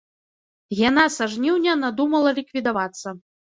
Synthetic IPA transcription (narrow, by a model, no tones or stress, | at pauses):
jan̪asaʐnʲiwnʲɛnad̪umɐlˠɐlʲikvʲid̪avat̪sːɐ